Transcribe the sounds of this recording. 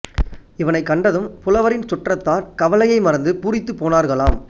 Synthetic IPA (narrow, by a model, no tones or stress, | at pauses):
ɪʋɐnɐɪkːɐɳɖɐðɯmpʊlɐʋɐɾɪnt͡ʃʊʈrɐt̪ːaːɾkɐʋɐlɐjɐɪmɐɾɐnd̪ɯpuːɾɪt̪ːɯpːoːnaːɾɣɐɭaːm